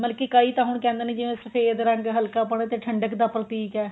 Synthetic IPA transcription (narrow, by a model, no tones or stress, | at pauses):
bəlkikaːiːt̪ãːɦʊɳ̃kɛ̃ːnd̪eːnĩːd͡ʒɪʋẽːsəfʰeːd̪ɾəŋɡɦəlkaːpəɳ̃ẽːt̪eːʈʰəɳɖəkd̪aːpɾət̪iːkɛː